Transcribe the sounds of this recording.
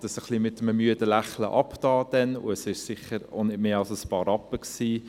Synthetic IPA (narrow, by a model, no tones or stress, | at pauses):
d̥əsəχlimɪt̪ːəməmyədəlæχlə̰ʔɑptɑːd̥ɛnʊ̰əsɪʃsɪχəɾo̰nɪdmeːɑlsəspɑːɾɑpːəksiː